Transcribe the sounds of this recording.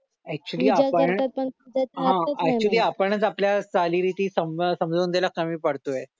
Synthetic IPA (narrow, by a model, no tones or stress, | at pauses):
ɛk̚t͡ɕuəliːapəəpəɳɦãɛk̚t͡ɕuəliːapəɳət͡sapljasaliːɾit̪iːsəmsəmd͡zʱoːnd̪elakəmiːpəɽt̪oje